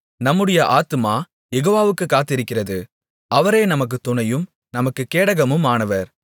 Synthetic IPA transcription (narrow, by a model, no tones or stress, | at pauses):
nɐmːɯɽɐjɐʔaːt̪ɯmaː | jɛɣoːʋaːʋɯkːɯkːaːt̪ːɪɾɯkːɪrɐðɯ | ʔɐʋɐɾeːnɐmɐk̬ːɯt̪ʊnɐjɯm | nɐmɐkːɯkːeːɽɐɣɐmɯmaːɳɐʋɐɾ